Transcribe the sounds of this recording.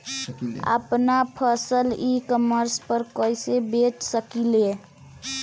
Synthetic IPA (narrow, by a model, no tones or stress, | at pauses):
ə̰pnapʰəsəlikəməɾspəɾkojsebeʈsəkile